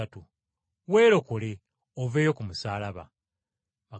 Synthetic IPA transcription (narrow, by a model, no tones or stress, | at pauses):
atu | we̞ːɾo̞kole̞ | oveːjo̞kumusaːlaβa̰ | βa